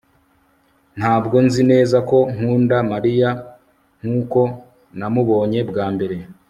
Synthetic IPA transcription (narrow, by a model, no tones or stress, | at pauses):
n̥haːbɡo̞nzine̞ːzako̞ŋ̥uːndamaɾija | ŋ̥huːko̞ | namuβo̞ːɲe̞bɡaːmbe̞ɾe̞